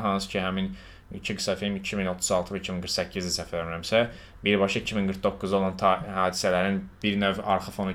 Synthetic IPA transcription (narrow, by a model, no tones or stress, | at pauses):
ɦɑnsɯ̥cʰihæmin | ḭcʰiɡisɑfilmicʰimino̞t̪ʰuzɑlˠt̪ʰɯvæicʰiminɡɯɾxsæcʰːizd̪æsæfælæmɾæmsæ | biɾbɑʃɑicʰiminɡɯɾk̪̚d̪o̞kːuzo̞lˠɑnt̪ʰɑhɑːd̪isælæɾinb̥iɾnøvɑɾxɯfo̞nu